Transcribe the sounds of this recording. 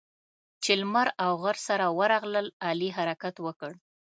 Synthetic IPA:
t͡ʃɪlmaɾawɣaɾsaɾawəɾaɣləlɑliɦaɾakat̪wəkəɽ

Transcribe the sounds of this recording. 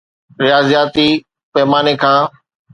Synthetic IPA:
ɾɪjaːzijaːt̪i | pɛɦmaːnekʰãː

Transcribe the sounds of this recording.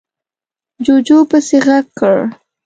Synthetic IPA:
d͡ʒod͡ʒopəseɣaɡkːəɭ

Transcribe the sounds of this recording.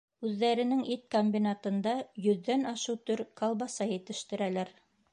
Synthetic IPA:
ʉðːæɾɘ̆nɘŋʔit̪̚komʲbʲinat̪ɤ̆nd̪ɑjɵ̆ðːænɑʃɤwt̪ɵɾkɑlˠβɑsɑjɘ̆t̪ɘ̆ʃt̪ɘ̆ɾælæɾ

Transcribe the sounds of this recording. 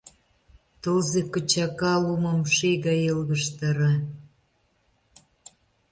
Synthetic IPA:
t̪olzekə̆t͡ɕɑkɑlumə̆mʃeɣɑjelɣə̆ʃt̪əɾɑ

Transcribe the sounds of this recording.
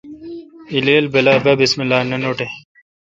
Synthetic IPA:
ileːlbɐlaːbɐbismilːaːnɐnoːʈe

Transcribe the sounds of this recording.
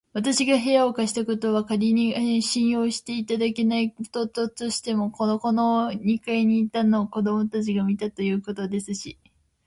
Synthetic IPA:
βat̪aɕiɡaɦe̞ao̞kaɕi̥t̪ako̞t̪o̞βakaɾʲiɲ̟iɕĩɰ̃jo̞ːɕi̥t̪e̞it̪ad̪ake̞naikot̪o̞t̪o̞t̪o̞ɕi̥t̪e̞mo̞ko̞noko̞no̞ɲ̟ikaiɲ̟iːt̪anoːko̞d̪o̞mo̞t̪at͡ɕiɡamʲit̪at̪o̞jɯ̟ːko̞t̪o̞d̪e̞sɨɕi

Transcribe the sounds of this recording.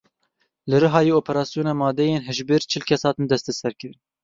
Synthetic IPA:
lɨɾɨɦɑːjeːoːpʰɛɾɑːsijoːnɑːmɑːd̪ɛjeːnɦɛʒbɨɾt͡ʃʰɨlkʰɛshɑːt̪ɨnd̪ɛst̪ɛsɛɾkɨɾn

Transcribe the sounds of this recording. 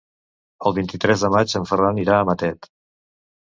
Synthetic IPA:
əlˠβint̪it̪ɾɛzðəmad͡ʒəɱfəraniɾaəmət̪ɛt̪

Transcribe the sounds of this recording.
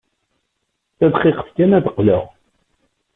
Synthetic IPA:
θæðχiqə̥fkænæðəqlə̰ʁ

